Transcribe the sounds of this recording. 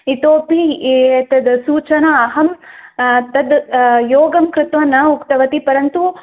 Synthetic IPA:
it̪oːpit̪ɐd̪suːt͡ʃɐnɐːɦɐm | t̪ɐd̪joːɡɐmkɾɪt̪ʋɐnːɐukt̪ɐʋɐt̪ipɐɾɐnt̪u

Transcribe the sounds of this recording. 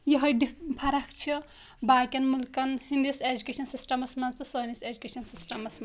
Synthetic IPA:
jiɦɐjɖipʰɐɾɐkt͡ʃʰi | baːkʲɐnmulkɐnhind̪ised͡ʒukʲeʃɐnsisʈɐmɐsmɐnt͡s̪ɨsonised͡ʒukʲeʃɐnsisʈɐmɐsm

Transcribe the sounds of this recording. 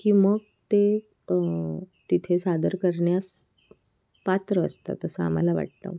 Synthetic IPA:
kiːməɡ | t̪e | t̪it̪ʰesad̪əɾkəɾɳjas | pat̪ɾəə̰st̪a̰t̪əsəa̰m̤alaʋa̰ʈ̚t̪ə̰ʋ

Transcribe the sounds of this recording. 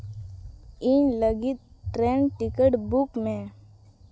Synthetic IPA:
ɪnləɡɪt̪̚ʈɾeːnʈɪkəʈbukmẽ

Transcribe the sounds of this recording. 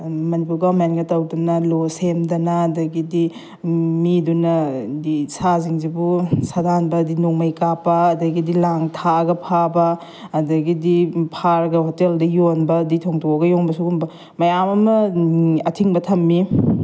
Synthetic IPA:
mɐnipuɾɡamentɡɐtɐwdɐnɐlosemdɐnɐːdɐɡidi | midunɐdisaziŋzibusadanbɐːdinuŋmɐjkapɐːdɐɡidilaŋtʰaɐɡɐpʰabɐː | dɐɡidipʰaɾɡɐhoteldɐjonbɐditʰoŋtʰoɐɡɐjoŋbɐsuɡumbɐ | mɐjamɐmɐɐtʰiŋbɐtʰɐmːi

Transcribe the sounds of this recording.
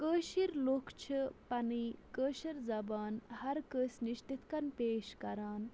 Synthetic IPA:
kəːʃiɾloːkt͡ʃʰɨpɐniːkəːʃiɾzɐbaːnhɐɾkəːsniʃt̪it̪kɐnpeːʃkɐɾaːn

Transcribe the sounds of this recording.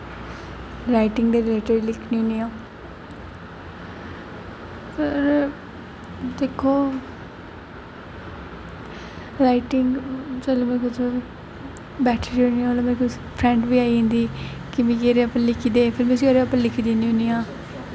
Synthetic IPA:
ɾaːɪʈɪŋɡd̪eːɾɪleːʈəɾlɪkʰniːɦʊniːãː | pʰɪɾ | d̪eːkʰːoː | ɾaːɪʈɪŋɡt͡ʃəloːmɛːkʊt͡ʃoi | bɛːʈʰid͡ʒoniãoːlomeːkʊs | pʰɾɛ̃ːɳɖʋiːaːiːɦɪ̃ːnd̪iːkɪmĩkeːɾeapãlɪkʰiːd̪eːpʰɪɾms̬iːoːɾeapãːlɪkʰiːd̪eniːʊ̃nijãː

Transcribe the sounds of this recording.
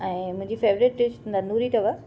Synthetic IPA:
ɛ̃ːmʊ̃ɦɪ̃ɲd͡ʑifeːʋɾɪʈ̚ʈɪt͡ɕtʰnd̪anuːɾit̪ɐʋə

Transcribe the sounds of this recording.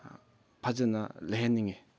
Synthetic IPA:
pʰad͡ʑənaleniŋi

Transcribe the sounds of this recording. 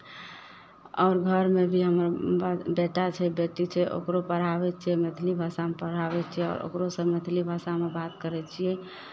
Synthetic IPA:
ɔːɾɡʱəɾmebʱiɦəmɾbeʈat͡ʃʰɛbeʈit͡ʃʰɛʔo̰kɾopəɽ̤abɛt͡ʃʰiɛmet̪ʰlibʱasamepəɽ̤abɛt͡ʃʰiɛɔ̰ːɾo̰kɾosəmet̪ʰlibʱasamebat̪kəɾɛt͡ʃʰiɛ

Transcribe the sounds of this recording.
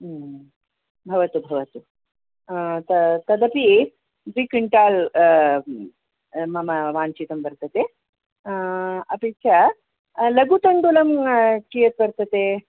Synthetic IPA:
bʱɐʋɐt̪ubʱɐʋɐt̪u | t̪ɐt̪ɐd̪ɐpi | d̪ɾikiɳʈaːl | mɐmɐʋaːnt͡ʃit̪ɐmbɐɾt̪ɐt̪e | ɐpit͡ʃʰa | lɐɡut̪ɐnd̪olɐmkijɐt̪̚bɐɾt̪ɐt̪e

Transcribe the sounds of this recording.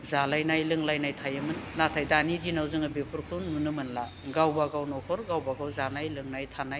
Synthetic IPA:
zalajnajlɯŋlajnajtʰajamɯnːatʰajdaːnidinawzɯŋabepʰɯɾkʰununɯmɯnla | ɡawbaɡawnɔkʰɔɾɡawbaɡawzanajlɯŋnajtʰanaj

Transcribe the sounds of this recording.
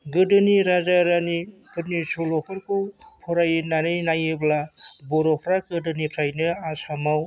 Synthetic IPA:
ɡɯdɯniɾazaɾanikɯɾnisolɔkʰɯɾkupʰɔɾajnanɯjnajɯblabɔɾɔpʰɾaɡɯdɯnipʰɾajnɯasamaw

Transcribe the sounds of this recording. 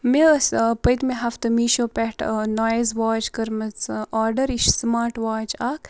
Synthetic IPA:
mespɐjt̪meɦɐft̪ɐmiʃoːpʲɛʈnaːjzʋaːd͡ʒkɐɾmɐt͡saːɾɖɐɾiʃsmaːɾʈʋaːd͡ʒaːk

